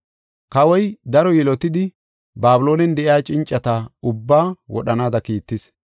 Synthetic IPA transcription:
kɐwɔjd̪ɐɾɔjɛlɔt̪ɪd̪ɪ | baːbʊlo̞ːnɛnd̪ɛʔɪjaːt͡ʃʼɪnt͡ʃʼːɐt̪aʊbːaːwɔ̰ɗɐnaːd̪ɐkiːt̪ːɪs

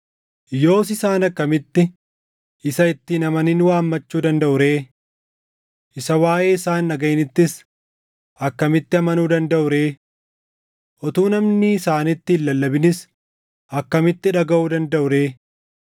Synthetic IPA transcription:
jo̞ːsɪsaːnɐkːɐmɪt̪ːɪ | ɪsɐɪt̪ːiːnɐmɐnɪnwaːmːɐt͡ʃːuːd̪ɐnd̪ɐʔʊɾeː | ʔɪsɐwaːʔeːɪsaːnːɐɡɐɪnɪt̪ːɪs | ʔɐkːɐmɪt̪ːɪɐmɐnuːd̪ɐnd̪ɐʔʊɾe̞ː | ʔɔt̪uːnɐmnɪːsaːnɪt̪ːɪɪlːɐlːɐbɪnɪs | ʔɐkːɐmɪt̪ːɪᶑɐɡɐʔuːd̪ɐnd̪ɐʔʊɾe̞ː

